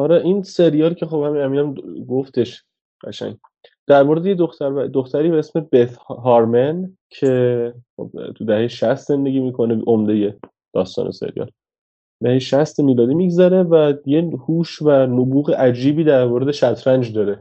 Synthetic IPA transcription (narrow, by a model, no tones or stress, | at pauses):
ɒɾɛʔiːnse̞ɾijɒːlcʰe̞χob̥hæminhæmiːnæmɡoft̪e̞ʃ | ɢæʃæ̰ŋɟ | d̪̥æɾmoɾed̪ejed̪oxt̪ʰæɾbæd̪oxt̪ʰæɾiːbeesme̞bet̪ɦɒɾmen | cʰe̞χo̰b̚t̪ʰud̪æhe̞jeʃæst̪ze̞nd̪e̞ɡʲiːmiːkʰo̞neʔomd̪e̞je̞ | d̪̥ɒ̰ːst̪ɒ̰ːnesḛɾijɒ̰ːl | d̪æhejeʃæst̪miːlɒːd̪iːmiɡzæɾe̞væjehuːʃvænobuːɣeʔæd͡ʒiːbiːd̪æɾmoɾed̪eʃæt̪ʰɾænd͡ʒd̪ɒːɾe